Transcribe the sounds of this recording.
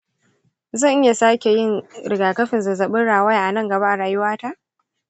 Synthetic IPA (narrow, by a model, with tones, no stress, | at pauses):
zɐ˦˨ŋʔɪ˦ja˨saː˦kʲe˨jɪ˦nɽɪ˨ɡaː˨kɐ˦ɸɪ˨nzɐ˨zɐ˨ɓɪ˦nɽaː˨wɐ˦jʔa˨nɐ˦˨ŋɡɐ˨ba˦ʔa˨ɽaː˨jʊ˦waː˦ta˦ʔ